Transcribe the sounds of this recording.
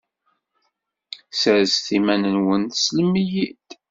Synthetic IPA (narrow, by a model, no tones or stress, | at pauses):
səɾsθimænənwənθsləmijid̪̥